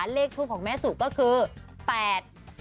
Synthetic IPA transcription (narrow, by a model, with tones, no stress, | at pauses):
nleː˥˩k̚t̪ʰuː˥˩kʰɔː˩˦ŋmɛː˦˥su˨˩kɔː˥˩kʰɯː˧pɛː˨˩t̪̚